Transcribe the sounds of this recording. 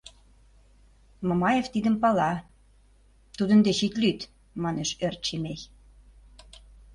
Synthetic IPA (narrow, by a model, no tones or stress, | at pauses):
momɑjeft̪id̪ə̆mpɑlɑ | t̪ud̪ə̆nd̪eɕit̪lyt̪ | mɑneʃørt̪̚ʃemeç